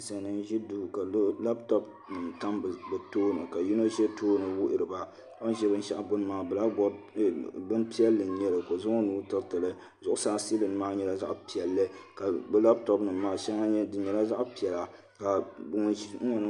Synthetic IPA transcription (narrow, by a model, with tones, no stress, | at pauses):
sa˨nɨ˦n˦ʒi˦duː˦˨ka˨˦la˦ptɔ˦p̚ | nɨ˨mta˦m˨bɨ˨toː˦nɨ˨ka˨ju˦no˦ʒɛ˦tʰoː˦nɨ˨wʊ˦ʔɪ˨ɾɨ˨ba˨˦ | o˦n˦ʒɛ˦bɨ˦n̩˦ʃa̰˦˨ʔa˨ɡʊ˦n˦maː˨bɛ˨la˦bɔ˦ɾ | bɨ˦npi˦ɛ˦lːɨ˨n˦ɲɛ˦lɨ˨ko˨zʊ˦ŋo˦nuː˦tɨ˦ɾtɨ˨lɨ˦ | zʊ˨ʔʊ˦saː˦si˦lɨ˨n˦maː˦ɲɛ˦la˦za̰˦ʔpi˨ɛ˨lːɨ˦ka˨bɛ˦la˦b̚tɔ˦pnɨ˨mːaː˦ʃɛ˦ŋa˦ɲɛ˦dɨ˦ɲɛ˨la˦za˦ʔpi˨ɛ˨la˨ | ka˨bŋ˨˦o˦nɨ˦